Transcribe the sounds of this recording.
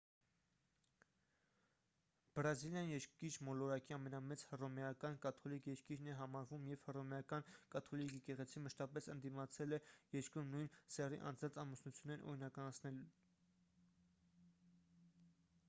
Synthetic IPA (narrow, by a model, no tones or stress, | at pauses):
b̥ɾɑziljɑnijɛɾkit͡ʃmɔlɔɾɑkiɑmɛnɑmɛt͡shərɔmɛjɑkɑnkɑt̪ʰɔlikjɛɾkiɾnɛɦɑmɑɾvumjɛv̥hərɔmɛɑkɑnkɑt̪ʰɔlikikɛʁɛt͡sʰiməʃt̪ɑpɛsənd̪imɑt͡sʰɛlɛjɛɾkɾumnujnsɛrḭʔɑ̰nd͡zɑnt͡sʰɑmusnut͡sʰjunːɛɾʔɔ̰ɾinɑkɑnɑt͡sʰnɛlu